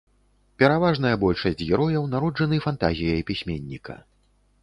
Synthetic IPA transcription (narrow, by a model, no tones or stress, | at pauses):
pʲɛɾavaʐn̪ɐjɐbɔlʲʂɐsʲd͡zʲɣʲɛɾɔjɐwn̪aɾɔd͡ʐɐnɨfant̪a̰zʲijɐjpʲisʲmʲenʲːikɐ̰